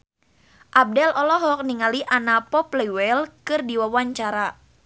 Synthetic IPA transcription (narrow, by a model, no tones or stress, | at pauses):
ʔab̚dɛlɔlɔɦɔk̚niŋaliʔanapɔplɛwɛlkɨrdiwawaɲt͡ʃaɾa